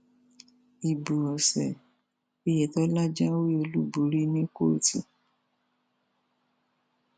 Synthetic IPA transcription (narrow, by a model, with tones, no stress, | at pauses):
i˨bu˨ɔ˨sɛ˨ | e˧jɛ˨tɔ˦la˦d͡ʒã˦wi˦o˧lu˦bu˨ɾi˦nĩ˦ko˦˨ti˧